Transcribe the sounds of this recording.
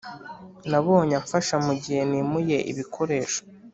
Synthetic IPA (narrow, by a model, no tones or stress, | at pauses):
naβoːɲaɱfaʃamuɟihe̞nimuje̞ʔḭβikʰo̞ɾe̞ːʃo̥